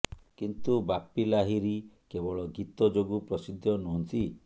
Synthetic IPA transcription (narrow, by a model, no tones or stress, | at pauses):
kint̪ubapːilaɦiɾikebɔɭɔɡit̪ɔd͡ʒoɡupɾɔsid̪ʱːjɔnuɦɔnt̪i